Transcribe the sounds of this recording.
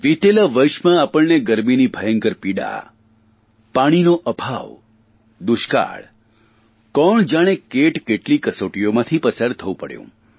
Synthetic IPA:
ʋit̪elaʋəjʃmãapəɭneɡəɾminibʱəjəŋkəɾpiɽa̰ | paɽ̃inoʔəbʱa̰ʋ | d̪ʊʃka̰ɭ | kɔɳd͡ʒaɽ̃ekeʈkeʈlikəsoʈijomãt̪ʰipəsaɾt̪ʰəʋũpəɽjṵ̃

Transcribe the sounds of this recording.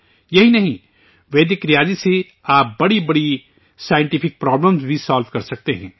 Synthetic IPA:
jɐɦinɐɦĩ | ʋeːd̪ɪkɾɪjaːd͡ʒise | aːp̚bɐɽibɐɽi | saːjɪ̃ɳʈipʰɪk̚pɾaːbləmzbʱisaːlʋkɐɾsɐk̚t̪eɦɛ̰̃ː

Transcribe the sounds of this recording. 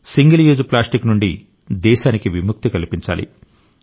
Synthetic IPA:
siŋɡɐljuːd͡ʒuplaːsʈiknuɳɖi | d̪ɛːʃaːnikiʋimuk̚t̪ikɐlipiɲt͡ʃa̰ːlʔḭ

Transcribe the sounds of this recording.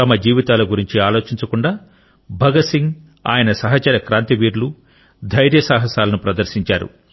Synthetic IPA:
ɐmɐd͡ʒiːʋit̪aːlɐɡuɾiɲt͡ʃiaːlo̞ːt͡ʃiɲt͡ʃɐkuɳɖaː | bʱɐɡɐsiŋɡ | a̰ːjɐnɐsɐɦɐt͡ʃɐɾɐkɾaːnt̪iʋiːɾlu | d̪ʱɐjɾjɐsaːɦɐsaːlɐnupɾɐd̪ɐɾʃiɲt͡ʃaːɾṵ

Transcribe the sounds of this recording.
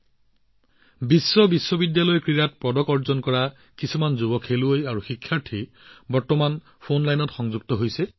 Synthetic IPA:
bisːɔbisːɔbidjalɔjkɹiɹat̚pɹɔdɔkɔɹzɔnkɔɹa | kisumanzubɔkʰeluojaɹuxikʰːjaɹtʰi | bɔɹtɔman | pʰonlajnɔtxɔŋzuɡ̚tɔɦojsɛ

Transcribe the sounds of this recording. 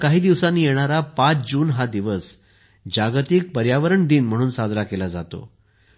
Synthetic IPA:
kaɦiːd̪iʋsanːiːjeɽ̃aɾapat͡sd͡ʑuːnɦad̪iʋəs | d͡ʑaɡt̪ik̚pəɾjaʋəɾəɳd̪iːnm̤əɽ̃uːnsad͡z̪ɾakelad͡zat̪o̰

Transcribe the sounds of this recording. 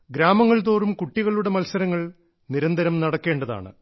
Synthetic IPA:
ɡɾaːmɐŋːɐɭt̪oːrumkuʈːiɣɐɭuɽe̞mɐlsɐɾɐŋːɐɭ | niɾɐnd̪ʱɐɾɐmnɐɽɐkːe̞ːɳɖɐða̰ːɳɨ̰

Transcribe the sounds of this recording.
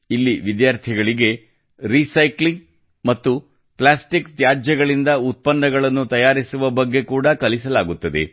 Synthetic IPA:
ilːiʋid̪jaːɾt̪ʰiɡɐɭiɡe̞ | ɾisɐjkliŋ | mɐt̪ːu | plaːsʈikt̪jaːd͡ʒɐɡɐɭind̪ɐut̪̚pɐnːɐɡɐɭɐnːut̪ɐjaːɾisuʋɐbɐɡːe̞kuːɽɐkɐlisɐlaːɡut̪ːɐd̪e̞̰

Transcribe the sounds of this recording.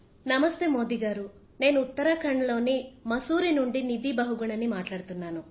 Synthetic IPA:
nɐmɐst̪emoːd̪iɡaːɾu | ne̞ːnuːt̪ːɐɾakɐɳɐlo̞ːnimɐsuːɾinuɳɖinid̪ibɐɦuɡuɳɐnːimaːʈlaːɽt̪unːaːnu

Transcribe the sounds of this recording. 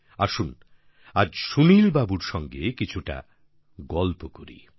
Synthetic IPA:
aʃun | ad͡ʑʃunilbabuɾʃɔŋɡekit͡ɕʰuʈa̰ | ɡɔlpokoɾḭ

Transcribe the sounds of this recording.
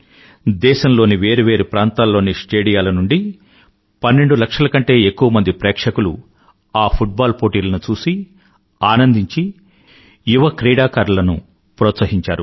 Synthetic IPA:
d̪ɛːʃɐmlo̞ːniʋe̞ːɾuʋe̞ːɾupɾaːnt̪aːlːo̞ːnisʈeːɽijaːlɐnuɳɖi | pɐnːe̞ɳɖulɐkʂɐlɐkɐɳʈe̞ːekːuʋɐmɐnd̪ipɾɛːkʂɐkulu | aːpʰuʈ̚baːlpoːʈiːlɐnut͡ʃuːsi | aːnɐnd̪iɲt͡ʃi | juʋɐkɾeːɽaːkaːɾulɐnṵ | pɾoːt̪sɐɦiɲt͡ʃaːɾu

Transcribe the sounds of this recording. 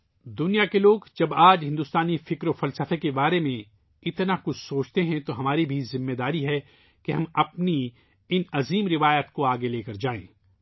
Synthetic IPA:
d̪ʊnijakeloːɡd͡ʒɐbaːd͡ʒɦɪ̃nd̪ʊst̪aːnifɪkɾofɐlsəfekebaːɾemẽ | ɪt̪nakʊt͡ʃʰsoːt͡ʃt̪eɦɛ̃t̪oɦɐmaːɾibʱizɪmːeːd̪aːɾiɦɛ | keɦɐmɐpni | ɪnɐziːmɾɪʋaːjət̪koaːɡeleːkɐɾd͡ʒaːḛ̃ː

